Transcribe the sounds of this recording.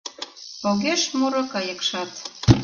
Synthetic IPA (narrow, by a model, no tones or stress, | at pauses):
poɣeʃmuɾɤ̆kɑjə̆kʃɑt̪